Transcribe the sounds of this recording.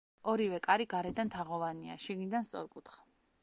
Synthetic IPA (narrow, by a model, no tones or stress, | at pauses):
ɔɾivɛkʼaɾiɡaɾɛd̪ant̪ʰaʁɔvania̰ʃiɡnid̪anst̪sʼɔ̰ɾkʼut̪ʰχḁ